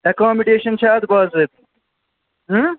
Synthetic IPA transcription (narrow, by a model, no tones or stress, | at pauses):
ɐkaːmiɖeːʃɐnt͡ʃʰaːd̪baːzeːt̪ | ɦ